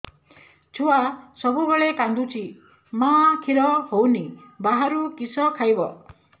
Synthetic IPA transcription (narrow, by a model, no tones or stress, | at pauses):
t͡ʃʰuasɔbuɡɔɭekand̪ut͡ʃʰi | makʰiɾɔhownibaɦaɾukisɔkʰajbɔ